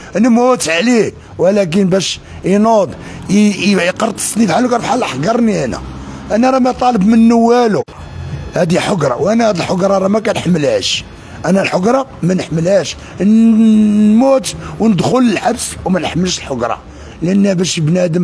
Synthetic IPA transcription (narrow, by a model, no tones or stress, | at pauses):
næmʊt̪ʕli | wælæk̬ənbæʃ | inod̪ˤ | qɑɾˤt̪ːə̥sˤnifʕalukɑɾfħalʔəħɡɑɾˤniʔænæ̰ʔænæɾˤɑmæjt̪ˤɑləbmənːəwːælu | hæd̪iħoɡɾˤɑ̰wʔænæhæd̪əlħoɡɾˤɑɾˤɑmækænħamːəlhæʃ | ʔænælħoɡɾˤɑmænəħməlhæʃ | mut̪wnəd̪xʊləlħabswmænəħməlʃəlħoɡɾˤɑ̰ | lʔənːæbæʃjəbnæd̪əm